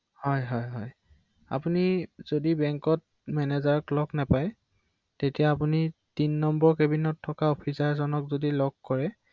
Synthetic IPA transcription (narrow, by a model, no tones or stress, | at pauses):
hɔjɦɔjɦɔj | a̰punizodibɛŋkɔt̚ | mɛnezaɹɔklɔɡnapaj | tetijaːpunitinːɔmbɔɹkebinɔtʰːɔkaopʰisaɹzɔnɔkzodilɔɡ̚kɔɹɛ